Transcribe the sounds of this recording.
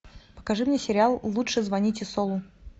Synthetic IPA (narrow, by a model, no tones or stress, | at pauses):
pə̥kɐʐɨmnʲesʲɪɾʲɪalˠːutʂɨzvɐnʲitʲɪsolˠʊ